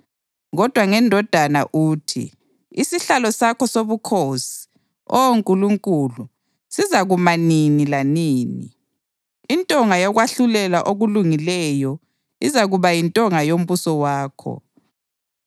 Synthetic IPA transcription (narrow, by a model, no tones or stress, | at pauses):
ɣɔd̥ʱwaŋɛndʱɔd̥ʱana̰ʔuːtʰḭ | isiɬalɔsakʰɔsoβukʰosi̥ | ɔwoŋkʼuluŋkʼulu | sizaɣumaninilaniːnḭ | intʼɔŋajɔɣwaɬulɛlaʔoɣuluŋilɛjɔ | izaɣuβajintʼɔŋajom̩βusɔwaːkʰɔ̰